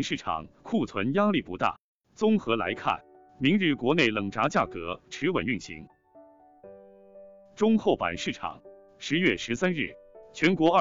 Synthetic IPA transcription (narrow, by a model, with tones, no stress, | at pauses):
ŋʂɻ̩˥˩ʈ͡ʂʰɑ̰˨˩ŋkʰu˥˩t͡sʰwə˧˥nja˥li˥˩pu˧˥t̪a̰˥˩ | t͡sʊ˥ŋxɤ˧˥la̰˧˥ɪkʰa̰˥˩n | mi˧˥ŋɻɻ̩˥˩kwɔ˧˥ne˥˩ɪlə˨˩ŋʈ͡ʂa˧˥t͡ɕja˥˩kɤ˧˥ʈ͡ʂʰɻ̩˧˥wə̰˨˩ny˥˩nɕḭ˧˥ŋ | ʈ͡ʂʊ˥ŋxo˥˩ʊpa̰˨˩nʂɻ̩˥˩ʈ͡ʂʰɑ̰˨˩˦ŋ | ʂɻ̩˧˥ɥɛ˥˩ʂɻ̩˧˥sa˥nɻ̩˥˩t͡ɕʰɥɛ˧˥nkwɔ˧˥ə˥˧˩